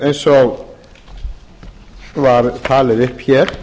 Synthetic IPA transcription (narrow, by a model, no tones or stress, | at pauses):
ejnsɔɣ | vaɾt̪ʰaːlɪɾɪhpçɛːɾ̥